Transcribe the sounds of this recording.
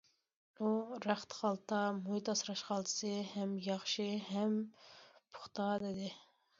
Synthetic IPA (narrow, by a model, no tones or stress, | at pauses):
uɾæχt̪χɑlˠt̪ʰɑmujt̪ɑsɾɑʃqɑlˠd̪ɨ̥sɨhɛmjɑχʃiɦɛm | pʰʊ̥χt̪ɑd̪ɪd̪ɪ